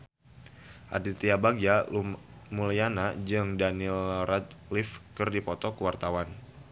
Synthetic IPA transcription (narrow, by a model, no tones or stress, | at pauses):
ʔa̰dit̪iabaɡiaumulijanad͡ʒɨŋdanilrat̪̚lifkɨrdipɔt̪ɔkəwart̪awan